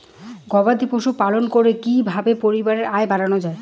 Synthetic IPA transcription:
ɡɔbad̪ipoʃupalonkoɾekibʱabepoɾibaɾeɾaebaɾanod͡ʑae

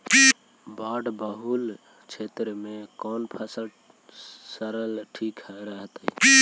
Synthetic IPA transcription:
baɖbəɦul | t͡ʃʰet̪ɾəmekɔnpʰəsə | səɾəlʈʰikɦəɾəɦt̪əi

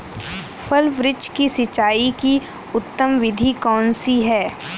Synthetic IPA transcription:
fʰɐlʋɾɪd͡ʒkisɪt͡ʃːaːiki | ʊt̪ːəmʋɪd̪ʱikɔːnsiɦɛː

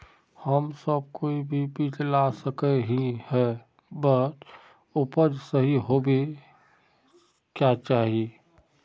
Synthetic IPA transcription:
həmsəb̚koibʱibiːt͡ʃlasəkeɦĩhɛ | bət̪ | ʊpəɾd͡ʒsəɦiɦobʱe | kjat͡ʃaːɦie

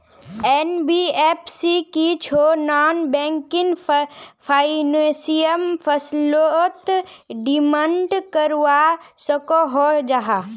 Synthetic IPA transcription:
ɛnbieːpʰsikit͡ʃʰonaːnbɛ̃ːŋkɪŋ | pʰaːinẽsijəmfʰəslot̪ɖimə̃ɳʈkəɾʋasəkoɦod͡ʒaɦa

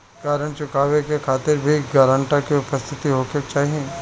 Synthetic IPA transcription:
kaːɾəɳ̃t͡ʃʊkaːʋekekʰaːt̪ɪɾbʱiɡaːɾə̃ɳʈãkiʊpəst̪ʰɪt̪iɦoːket͡ʃaːɦiẽː

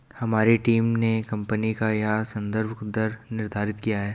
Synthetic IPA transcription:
hɐmaːɾeʈiːmnekɐ̃mpənikajasɐ̃nd̪əɾbʱd̪əɾnɪɾd̪ʱaːɾɪt̪kijaɦɛː

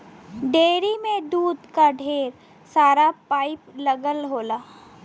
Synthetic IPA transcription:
ɖeːɾimẽd̪uːd̪kaɖʱeːɾ | saːɾapaːɪpləɡəlɦoːlaː

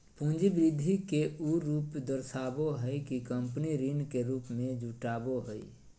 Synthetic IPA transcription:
pũːnd͡ʒibɾɪd̪ʱikeuɾuːpd̪əɾsaːboɦəikikə̃mpniɾinkeɾuːpmẽd͡ʒuʈaːboɦəḭ

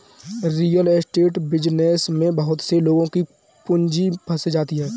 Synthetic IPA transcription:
ɾiːjəlsʈeːʈbɪd͡ʒnesmẽbɐɦʊt̪seloːɡõki | pʊ̃ɲd͡ʒipʰɐsd͡ʒaːt̪iɦɛː

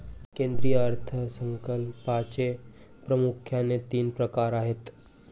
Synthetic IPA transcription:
kẽnd̪ɾijəəɾt̪ʰəsəŋkəlpat͡ɕe | pɾəmukʰjanet̪iːnpɾəkaɾaɦet̪

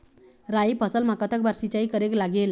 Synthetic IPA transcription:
ɾajpʰʌsəlmakət̪əkbaɾsit͡sajkʌɾeklaɡel

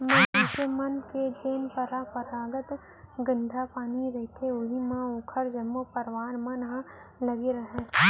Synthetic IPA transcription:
mə̃kemɐnked͡ʒeːnpəɾapəɾaːɡət̪ | ɡə̃nd̪ʱapaːniɾɐɦit̪ʰeʊɦimãoːkʰəɾd͡ʒɐmːopɐɾʋaːnmɐ̃nɦã | lɐɡeɾɐɦẽː

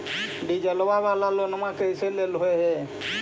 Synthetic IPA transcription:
ɖid͡ʒəlwaβalalonəmãkəjseleloɦeɦɛ

